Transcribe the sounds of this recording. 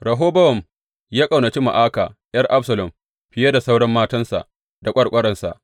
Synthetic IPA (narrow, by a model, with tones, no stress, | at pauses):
ɾɐ˨ɦoː˦bɐ˦wɔ˨m | jaː˦kʼa˨wna˨t͡ʃi˦ma̰˨ʔaː˦kaː˨j̰ɐ˦rʔa˦ɸsɐ˨lɔ˨m | ɸɪ˨˦ja˦da˨sa˦wɽɐ˦mːaː˦tɐ˦nsa̰˨ʔ | da˨kʷʼɐ˦ɽkʷʼɐ˦ɽɐ˨nsa̰˨ʔ